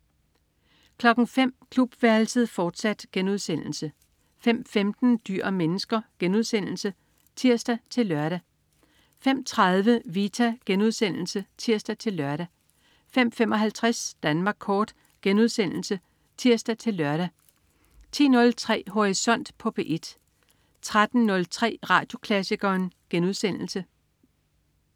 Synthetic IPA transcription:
kʰlɒ̽ɡ̥n̩fem̰kʰlub̥ʋæɐlsəð̩ˠfɒːd̥sæd̥ɡ̥enuð̞ˠsen̰l̩sə | fem̰femd̥n̩d̥y̰ɐ̰menəsɡ̥ɐɡ̥enuð̞ˠsen̰l̩sə | t͡sʰiɐ̰sd̥æt͡sʰe̝lːɶɐɾ̥æ | fem̰t͡sʰʁaðˠʋəʋiːt͡sʰæɡ̥enuð̞ˠsen̰l̩sət͡sʰiɐ̰sd̥æt͡sʰe̝lːɶɐɾ̥æ | fem̰femɒ̽ɦælt͡sʰʁasd̥ænmɑ̈ːɡ̥kʰɒːd̥ | ɡ̥enuðˠsen̰l̩sə | t͡sʰiɐ̰sd̥æt͡sʰe̝lːɶɐɾ̥æ | t͡sʰḭːnɔ̽lt͡sʰʁɛ̰ːɦo̝ʁisɒ̽n̰d̥pʰɔ̽b̥eʔe̝d̥ | t͡sʰʁad̥n̩ːɔ̽lt͡sʰʁɛ̰ːʁɑ̰̈ːd̥jo̝kʰlæsiɡ̥ɐːnɡ̥enuð̞ˠsen̰l̩sə

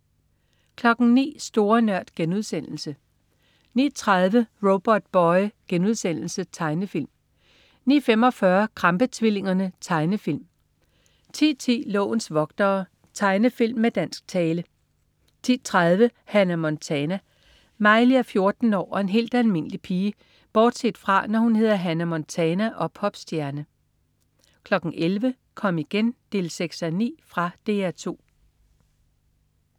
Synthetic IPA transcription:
kʰlɒ̽ɡ̥n̩nḭːsd̥o̝ːɐnɶɐ̰d̥ɡ̥enuð̞ˠsen̰l̩sə | nḭːt͡sʰʁað̞ˠʋəʁob̥ɒd̥̚b̥ɒɪɡ̥enuð̞ˠsen̰l̩sət͡sʰɑ̈ɪnəfil̰m | nḭːfem̰ɒ̽fɶːɐkʰʁɑ̈mb̥ət͡sʰʋile̝ŋɐnət͡sʰɑ̈ɪnəfil̰m | t͡sʰḭːt͡sʰḭːlɔ̰ːʊn̩sʋɒ̽ɡ̥d̥ɐː | t͡sʰɑ̈ɪnəfil̰mːed̥æn̰sɡ̥̚t͡sʰɛːlə | t͡sʰḭːt͡sʰʁaðˠʋəhænæmɒnt͡sʰɛnæ | mɑ̈ɪliæfjo̝ɐd̥n̩ɒ̰ːɒ̽e̝nɦe̝̰ːld̥ælme̝n̰əlipʰiːə | b̥ɒːd̥se̝d̥fʁɑ̈nɒhunhe̝ðˠɐɦænæmɒnt͡sʰɛnæʔɒ̽pʰɒ̽b̥sd̥jæɐnə | kʰlɒ̽ɡ̥n̩ʔelʋə | kʰɒ̽m̰iɡ̥end̥e̝ːlseɡ̥sænḭːfʁɑ̈d̥e̝ːæɐt͡sʰo̝̰ː

